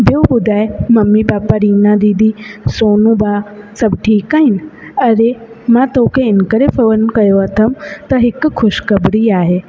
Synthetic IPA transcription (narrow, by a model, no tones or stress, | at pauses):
bjobʊd̪ʱaːemɐmːibaːpaɾiːnãd̪iːd̪isoːnũbaːsɐbʈʰiːkaːɦɪnɪ̆ɐɾe | mãt̪oːkʰeɪnkəɾefɐʋənkɐjoɐt̪ʰəmt̪ɐɦɪkkʰʊʃkɐbɽiaːɦeː